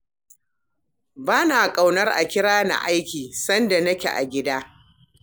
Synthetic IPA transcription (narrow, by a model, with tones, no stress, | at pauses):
baː˦na˨kʼa˨wnɐ˦rʔa̰˨kʲɪ˦ɽaː˦na̰˨ʔa˦jkʲiː˨sɐ˦nda˨nɐ˦kʲḛ˨ʔa̰˨ɡʲɪ˦daː˦